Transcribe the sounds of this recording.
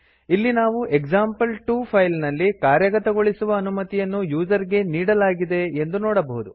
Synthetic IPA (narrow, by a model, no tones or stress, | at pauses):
ilːinaːʋuʔeɡd͡ʒaːmpɐlʈuːpʰɐjlnɐlːikaːɾjɐɡɐt̪ɐɡo̞ɭisuʋɐːnumɐt̪ijɐnːujuːd͡ʒɐɾiɡe̞niːɽɐlaːɡid̪e̞end̪unɔːɽɐbɐɦud̪u